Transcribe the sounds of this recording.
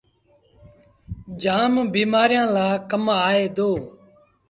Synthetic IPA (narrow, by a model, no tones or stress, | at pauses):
d͡ʒaːmbiːmaːɾɪjãːlaːkəmaːeːd̪oː